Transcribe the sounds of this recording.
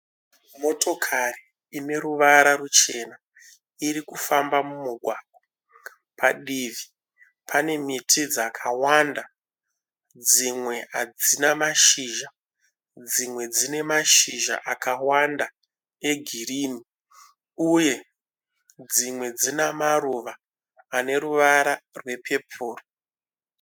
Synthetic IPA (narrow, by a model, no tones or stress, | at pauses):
mo̞tʰo̞kʰari | ine̞ɾuʋaɾarut͡ʃe̞na | iɾikufambamumuɡʱwaːɡʱo | pʰaɗivi | pʰane̞mitʰid͡zakʰawanda | d͡zimwe̞ad͡zinamaʃiːʒa | d͡zimwe̞d͡zine̞maʃiʒa̰ʔakawanda | e̞ɡʱiriːni | uje̞ | d͡zimwe̞d͡zinamaɾuʋaː | ne̞ɾuʋaɾarwe̞pʰe̞pʰuːro